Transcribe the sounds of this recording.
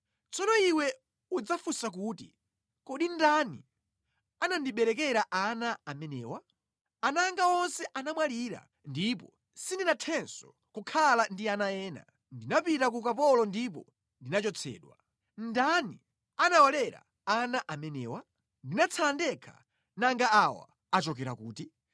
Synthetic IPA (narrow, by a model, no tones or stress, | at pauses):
t͡sɔnɔiwɛ | ud͡zafusak̬uti | kɔɗindanḭ | anandiɓɛɾɛkɛɾaʔanaamɛnɛːwa | anaŋɡaɔnsɛʔanamwaliɾa̰ | ndipɔ | sindinatʰɛnsɔ | kukʰalandianajɛːna̰ | ndinapitakukapɔlɔndip̬ɔ̰ | ndinat͡ʃɔt͡sʰɛ̰ːɗwa̰ | ndani | anawalɛɾa̰ | anaʔamɛnɛ̰ːwa | ndinat͡sʰalandɛkʰa̰ | naŋɡaawa̰ | at͡ʃɔkɛɾa̰kuːti